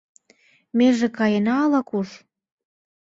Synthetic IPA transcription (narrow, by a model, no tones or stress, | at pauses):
meʒĕkɑjenɑːlɑkuʃ